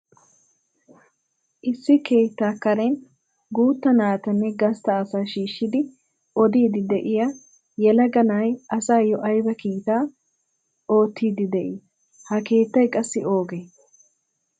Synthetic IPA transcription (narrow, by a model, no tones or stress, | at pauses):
ʔɪsːɪke̞ːt̪ːaːkːɐɾɛn | ɡuːt̪ːɐnaːt̪ɐnːɛɡɐst̪ɐːsaːʃiːʃːɪd̪ɪ | ʔɔd̪iːd̪ɪd̪ɛʔɪjɐ | jɛlɐɡɐnajʔɐsaːjɔʔɐjbɐkiːt̪aː | o̞ːt̪ːiːd̪ɪd̪ɛʔɪ | hɐke̞ːt̪ːɐjkʼɐsːɪo̞ːɡeː